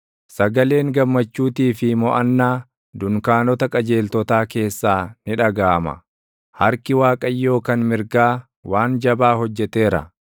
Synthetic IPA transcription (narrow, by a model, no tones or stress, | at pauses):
sɐɡɐle̞ːŋɡɐmːɐt͡ʃːuːt̪iːfɪmɔʔɐnːaː | d̪ʊŋkaːnɔt̪ɐkʼɐd͡ʒe̞ːlt̪ɔt̪aːke̞ːsːaːnɪᶑɐɡaːmɐ̰ | hɐɾkɪwaːkʼɐjːo̞ːkɐnmɪɾɡaː | waːnd͡ʒɐbaːhɔd͡ʒːɛt̪e̞ːɾɐ̰